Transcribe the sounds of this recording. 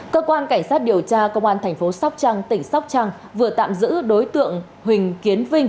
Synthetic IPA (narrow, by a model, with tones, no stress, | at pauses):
kəː˧kwaː˧nkaː˧˩jŋ̟saː˦˥t̚ɗi˨˩əwt͡ɕaː˧kə˧wŋ͡mʔaː˧nt̪ʰɛ˨˩ŋ̟fo˨˦sa˦˥wk͡p̚t͡ɕa˧ŋt̪ï˧˩ŋ̟sa˦˥wk͡p̚t͡ɕa˧ŋ | vɨ˨˩ət̪a̰ː˧˨mzɨ̰˧˥ɗo˨˦jt̪ɨ̰˧˨əŋ | ɦwï˨˩ŋ̟ki˨˦ənvï˧ŋ̟